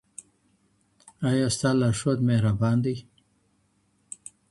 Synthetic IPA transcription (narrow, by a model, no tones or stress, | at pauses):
ajast̪alaʂot̪mehɾabɑːnd̪ij